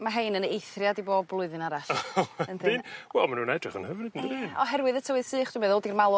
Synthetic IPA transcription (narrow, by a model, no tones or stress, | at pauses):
maɦejnənejθrjadiboːb̚lˠʊɨðɨnaɾaɬəntinwɛ̰lˠmanuːnɛdrɪχənhəvnɪdndiɔɦɛrwɨðətʰəwɨð̥sɨːχd̥wɪbeːðɔlˠdirmalˠʊ